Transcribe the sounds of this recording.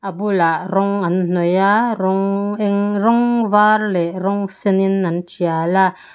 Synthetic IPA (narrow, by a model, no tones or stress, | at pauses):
abulaʔɾoŋann̥ojaɾoŋeŋɾoŋvaɾleɾoŋseninːant͡ʃiala